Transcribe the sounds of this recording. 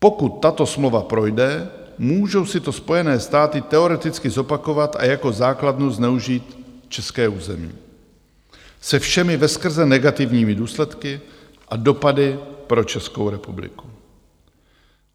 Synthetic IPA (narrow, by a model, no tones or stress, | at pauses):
po̞kut̪ːat̪o̞smlovapɾo̞jdɛ | muːʒo̞wsɪt̪o̞spo̞jɛnɛːst̪aːt̪ɪt̪ɛo̞ɾɛt̪ɪt͡skɪzo̞pako̞vat̪ʔa̰jako̞zaːkladnuznɛuʒiːt̪t͡ʃɛskɛːuːzɛ̰mḭː | sɛfʃɛmɪvɛskr̩zɛnɛɡat̪ɪvɲiːmɪduːslɛt̪kɪ | ʔado̞padɪpɾo̞t͡ʃɛsko̞wɾɛpublɪ̰ku̥